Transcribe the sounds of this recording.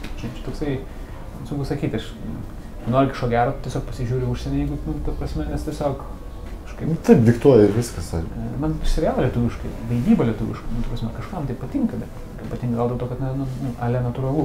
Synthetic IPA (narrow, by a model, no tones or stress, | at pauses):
ʒʲnɐɪpt͡ʃʲɛ̥t̪oːksɐɪ | sʊŋkʊsɐkʲiːt̪ʲɐʃ | ɪɡʊnoːɾʲɡʲɪʃoːɡʲæːɾoːtʲiɛsʲoːkpɐsʲɪʒʲuːɾʲɪʊʃʲsʲɛnʲɛjɛɪɡʊnʊt̪ɐpɾɐsʲmʲɛmʲɛst̪ʲiɛsʲoːk | kɐʃkɐɪnʊt̪ɐɪpd̪ʲɪkt̪uɔjɛɪɾʋʲɪskɐsɑmɐnʃsʲɪʋʲjæːʋolʲiɛt̪uʋʲɪʃkɐɪʋɐɪd̪ʲiːbɐlʲɛt̪uʋʲɪ̰ʃkɐnʊt̪ɐpɾɐsʲmʲɛkɐʃkɐmt̪ɐɪpɐt̪ʲɪŋkɐbʲɛtː | kɐpɐt̪ʲɪŋkɐɡɐlˠd̪ʲɛlˠt̪oːkɐt̪nɐnʊnʊɑːlʲɛnɐt̪ʊrɐlˠu